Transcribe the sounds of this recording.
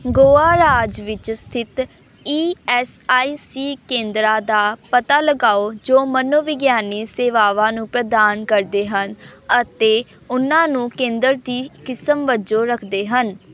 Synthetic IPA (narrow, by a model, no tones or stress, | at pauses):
ɡoːaːɾaːd͡ʒʋɪt͡ʃst̪ʰɪt̪ | iːɛːsaːiːsiːkẽːnd̪ɾãːd̪aːpət̪aːləɡaːoːd͡ʒoːmənoːʋɪɡjaːniːseːʋaːʋãːnũːpɾəd̪aːnkəɾd̪eːɦənət̪eː | ʊnãːnũːkẽːnd̪əɾd̪iːkɪsəmʋəd͡ʒoːɾəkʰd̪eːɦən